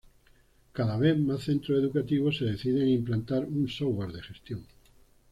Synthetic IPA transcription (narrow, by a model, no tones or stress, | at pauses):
kaðaβ̞eθmasθent̪ɾoeðukat̪iβ̞oseðeθið̞eŋimplant̪aɾuŋsowaɾðeʃest̪joŋ